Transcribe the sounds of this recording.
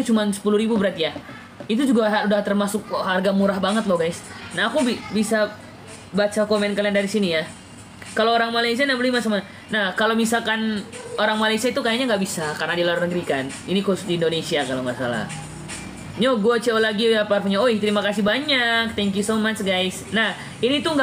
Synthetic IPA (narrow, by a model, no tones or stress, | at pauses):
t̪ut͡ʃumansə̥puluɾibubəɾat̪ija | it̪̬ud͡ʒuɡaɦaudaht̪ərmasʊk̚harɡamuɾahbaŋət̪lɔhɡajsnaːkubibisa | bat͡ʃakomɛnkaliandaɾisinija | kaloːɾaŋmalaisianabəlimasoma | nahkalomisalkanoɾaŋmalajsiait̪ukajaɲaŋɡaʔbisakarnadilaɾnəɡɾikan | inikuʊsdiːndonesiakalomasa̰la̰h | ɲoɡuat͡ʃeolaɡijaparpuɲaoit̪əɾimakasibaɲak̚t̪ɛŋk̬jusomat͡ʃɡajsnah | init̪uŋɡa